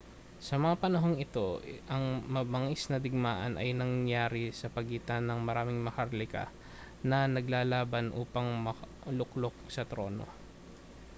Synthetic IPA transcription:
sɐmɐŋapɐnɐɦo̞ŋɪt̪o̞ʔɐŋmɐbɐŋɪsnɐd̪ɪɡ̚maːʔɐ̰nʔɐjnɐŋjaːɾɪsɐpɐɡiːt̪ɐnɐŋmɐɾaːmɪŋmɐkɐɾlɪka̰ | nɐnɐɡlaːlaːbɐnʔuːpɐŋmɐ | lʊklok̚sɐt̪ɾo̞̰ːno̰

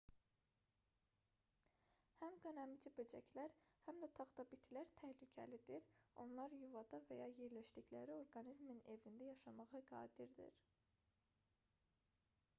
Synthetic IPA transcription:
hæmɡønæmid͡ʒibød͡ʒæ̰cʰlæɾhæmd̪æt̪ʰɑʁd̪ɑbit̪ʰilæɾt̪ʰæhlycʰæ̰lid̪iɾo̞̰nlˠɑɾjuvɑd̪ɑvæjɑje̞ɾlæʃd̪içlæɾio̞ɾɡɑnizmine̞vind̪æjɑʃɑmɑʁɯɡɑ̰ːd̪iɾd̪ḭɾ

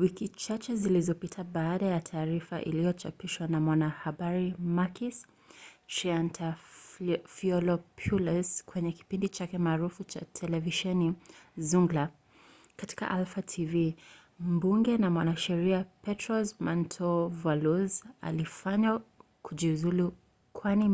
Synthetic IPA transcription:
wikit͡ʃat͡ʃɛzilizɔpitʰaɓaːɗajatʰaːɾifa̰ʔḭlijɔt͡ʃapiʃwanamwanahaɓaɾimakis | ʃiantʰa | fiɔlɔpʰulazkwɛɲɛki̥pindit͡ʃakɛmaːɾufut͡ʃa̰tʰɛlɛviʃɛnizuŋɡla | kati̥ka̰ʔalfatʰivi | m̩buŋɡɛnamwanaʃɛɾiapɛtɾɔzmantʰɔvaluza̰lifaɲa | kʰuʄiuzulu | kʰwani

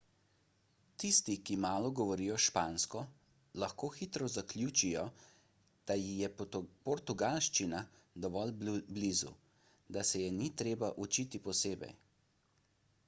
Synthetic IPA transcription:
t̪ist̪ikimaːlɔɡɔʋɔɾiːjɔʃpaːnskɔ | laxkoːxit̪ɾɔzaklʲjuːt͡ʃijɔ | d̪̥ajijɛpɔɾt̪uɡalʃt͡ʃina | d̪ɔʋɔlblizṵ | d̪asɛjɛnit̪ɾeːbaʔut͡ʃit̪ipɔseːbɛ̰j

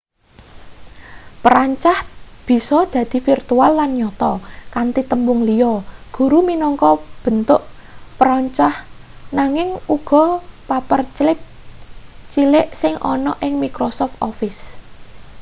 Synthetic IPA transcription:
pəɾaɲt͡ʃahb̥i̤sɔd̪̥ä̤d̪̥i̤firt̪ualːanɲɔt̪ɔkant̪it̪əmbʊŋliɔɡ̥ṳɾuminɔŋkɔb̥ə̤nt̪ʊʔ | pəɾɔɲt͡ʃahnaŋɪŋuɡ̥ɔ̤papərt͡ʃlɪp̚ | t͡ʃilɪʔsɪŋʔɔ̰nɔʔɪŋmikɾosɔft̪ɔfɪs

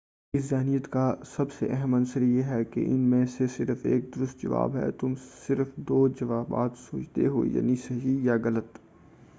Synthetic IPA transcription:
ɪszɛːnijət̪kasɐbsḛʔɛɦɛmɐnsəɾjeːɦɛkḛʔɪ̰nmẽsesɪɾfeːk̚d̪ʊɾʊst̪̚d͡ʒɐ̰ʋa̰ːbɦɛ̰t̪ʊmsɪɾfd̪oːd͡ʒɐʋaːba̰ːt̪soːt͡ʃt̪ḛɦo̰ja̰ːnisɐɦijaɣɐlət̪

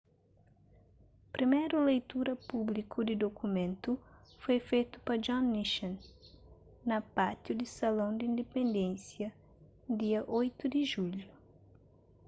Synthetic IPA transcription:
pɾʔimejɾʊlejt̪uɾɐpublikʰud̪ɪd̪okumẽnt̪ʊfojfejt̪ʊ̥pɐd͡ʒɔ̃nːiʃɐ̃n | nɐpat̪jʊd̪ɪsalõw̃d̪ɪĩnd̪epẽnd̪ẽnsjɐ | d̪iɐʔojt̪ʊd̪ɪʒuʎʊ

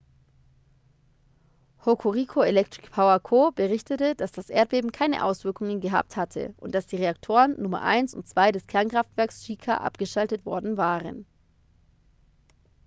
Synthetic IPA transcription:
hokʰoʁikʰoelɛktʁ̥ɪkpʰaʊɐkʰoːb̥əʁɪçtətəd̥asd̥asʔeːɐt̚b̥eːbm̩kʰaɪnə̰ʔa̰ʊsv̥ɪɐkʊŋənɡəɦa̰ːp̚thatʰə̰ʔʊntd̥asd̥iːʁeaktʰoːʁənːʊmɐ̰ʔa̰ɪnsʊ̰ntt͡sv̥aɪɾɛskʰɛɐnkʁ̥aftv̥ɛɐksʃiːkʰa̰ʔa̰pɡ̥əʃaltətv̥ɔɐdn̩vaːʁə̰n

